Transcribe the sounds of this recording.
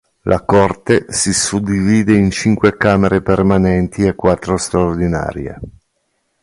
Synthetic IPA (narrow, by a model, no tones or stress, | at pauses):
lʔakort̪esisud̪ːiviːd̪eint͡ʃiŋkwekaːmeɾepermanɛnt̪ʰiekːwat̪ːɾost̪ɾaord̪ina̰ːɾjḛ